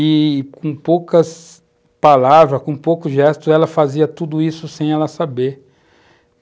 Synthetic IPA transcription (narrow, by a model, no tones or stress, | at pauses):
ɪkõpowkɐs | palavɾɐkõpowkʊʒɛst̪ʊɛlɐfaziɐt̪ud̪ʊisʊsẽj̃ɛlɐsabeɾ